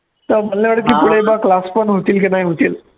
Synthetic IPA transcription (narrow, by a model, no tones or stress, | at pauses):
t̪əbənlaʋaɽəkiːpuɽ̤eibaklaspənɦot̪iːlkinaɦiɦot̪iːl